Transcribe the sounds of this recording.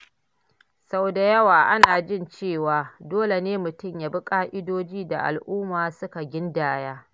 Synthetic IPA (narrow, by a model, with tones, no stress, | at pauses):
sa˦˨da˨jɐ˦waː˨ʔa˦naː˨d͡ʒɪ˦nt͡ʃeː˦˨waː˨doː˦le˨neː˦mʊ˨tʊ˦˨mjaː˦bʊ˦kʼaː˦ʔɪ˦doː˦d͡ʒiː˦da˨ʔa̰˨lʔʊː˦maː˨sʊ˦ka˨ɡʲɪ˦ndaː˨jaː˦